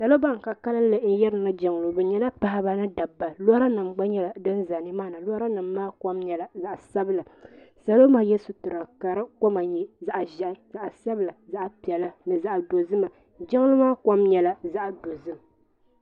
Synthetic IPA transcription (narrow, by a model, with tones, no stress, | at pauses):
sa˨lo˦ba˦˨ŋ˨ka˨ka˦lɨ˦n˦lɨ˨n̩˦jɛ˦ɾɨ˨nɨ˦d͡ʒɛ˨ŋ˨lo˨bɛ˨ɲɛ˦la˦pa˨ha˦ba˦nɨ˦da˨bːa˨lo˦ɾa˦nɨ˨mɡ͡ba˦ɲɛ˦la˨dɨ˦nza˨nɨ˦maː˦˨nɨ˨lo˦ɾa˦nɨ˨mː˦aː˦ka˦mɲɛ˨la˨za˨ʔsa˦bɨ˦la˨ | sa˨lo˦maː˦jɛ˦sʊ˨tɨ˨ɾa˨ka˨ɾɨ˦ko˦ma˨ɲi˦za˦ʔʒɛ˨ʔɪ˨za˨ʔa˨sa˦bɨ˨la˨za˦˨ʔa˨pi˨ɛ˨la˦nɨ˨za˦ʔdo˨zɨ˦ma˨ | d͡ʒɛ˦ŋ˦lɨ˦maː˦ka˦mɲɛ˨la˨za˦ʔdo˨zɨ˦m˨